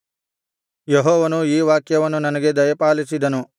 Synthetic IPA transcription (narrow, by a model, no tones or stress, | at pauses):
jeɦɔːʋɐnuiːʋaːkjɐʋɐnːunɐnɐɡe̞d̪ɐjɐpaːlisid̪ɐnu